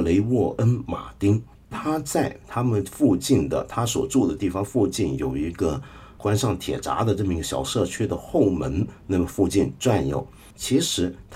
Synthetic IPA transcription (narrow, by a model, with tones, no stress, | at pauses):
le˧˥ɪwɔ˥˩ʔə˥nma̰˨˩t̪i˥ŋ | t̪ʰa˥t͡sa˥˩ɪt̪ʰa˥mə˨nfu˥˧t͡ɕi˥˩nd̪ə̰˩t̪ʰa˥swɔ̰˨˩ʈ͡ʂu˥˩d̪ə˩t̪i˥˩fɑ˥ŋfu˥˧t͡ɕi˥˩njo˨˩ʊi˧˥ɡə˧ | kwa˥nʂɑ˥˩ŋt̪ʰjɛ̰˨˩ʈ͡ʂa̰˧˥d̪ə˧ʈ͡ʂɤ˥˩mə˩i˧˥ɡə˧ɕjɑ̰˨˩ʊʂɤ˥˧t͡ɕʰy˥d̪ə˨xo˥˩ʊmə˧˥nna˥˩mə˨˩nfu˥˧t͡ɕi˥˧nʈ͡ʂwa˥˩njo̰˨˩˦ʊ | t͡ɕʰi˧˥ʂɻ̩˧˥t̪ʰ